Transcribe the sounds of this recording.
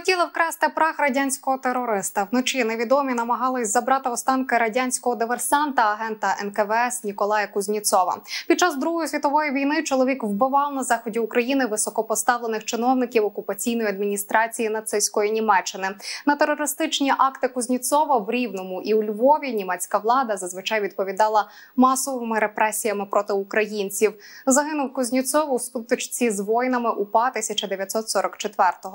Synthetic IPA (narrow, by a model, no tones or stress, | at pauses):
ɔtʲilˠɐwkɾɛst̪ɪpɾɑxɾɐdʲanʲsʲkɔɦɔt̪eɾɔɾɪst̪ɐwnɔt͡ʃineʋʲid̪ɔmʲinɐmɐɦɑlˠɪsʲzɐbɾɑt̪ɪɔst̪ɑnkɪɾɐdʲanʲsʲkɔɦɔd̪ɪʋersɑnt̪ɐːɦɛnt̪ɐʔɛnkɛʋɛɛsnʲikɔlˠɑjɐkʊzʲnʲit̪sɔʋɐ̰pʲid̪̚t͡ʃːɑzd̪ɾuɦɔjɔsʲʋʲit̪ɔʋɔjiʋʲijnɪt͡ʃɔlˠɔʋʲikwbɪʋɑlˠnɐzɑxɔdʲiukɾɐjinɪʋɪsɔkɔpɔst̪ɑʋlˠenɪxt͡ʃɪnɔwnɪkʲiwɔkʊpɐt͡sʲijnɔjiɐd̪mʲinʲist̪ɾɑt͡sʲijinɐt̪sɪsʲkɔjinʲimɛt͡ʃːɪnɪnɐt̪eɾɔɾɪst̪ɪt͡ʃnʲiʔɑkt̪ɪkʊzʲnʲit̪sɔʋɐwɾʲiwnɔmʊʔiwlʲʋɔʋʲinʲimɛt͡sʲkɐʋlˠɑd̪ɐzɐzʋɨt͡ʃɑjʋʲid̪pɔʋʲid̪ɑlˠɐ | mɑsɔʋɪmɪɾepɾɛsʲijɐmɪpɾʔɔt̪ɪukɾɐjinʲt͡sʲiwzɐɦɪnʊwkʊzʲnʲit̪sɔʋwsput̪ɪt͡ʃt͡sʲizʋɔjnɐmɪʔupɑt̪ɪsʲɐt͡ʃɐd̪eʋʲjɐt̪ʲsɔt̪sɔɾɔkt͡ʃet̪ʋɛrt̪ɔɦɔ